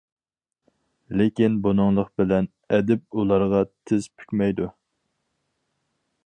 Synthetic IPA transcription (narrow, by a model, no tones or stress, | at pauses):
lɪkʲinbunɨŋlˠəqbɪlɛn | ɛd̪ɪp̚ulˠɑɾʁɑt̪ʰɪz̥pʰy̥kʲmɛjd̪u